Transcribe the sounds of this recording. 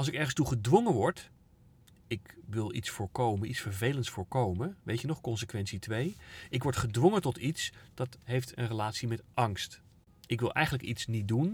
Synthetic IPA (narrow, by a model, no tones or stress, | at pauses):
ɑlˠsɪkɛɹχənstuχədʋɔŋəʋɔɹt | ɪkʋɪlˠḭtsfʊːɹkowmənʔitsfəɹvejləntsfʊːɹkowməʋejtənɔχkɔnsəkʋɛntsitʋejɪkʋɔɹtχədʋɔŋətɔtitsd̥ɑtɦejftə̰nrəlaːtsimɛtʔɑŋst | ɪkʋɪlˠʔɛ̰jχənləkitsnit̚dun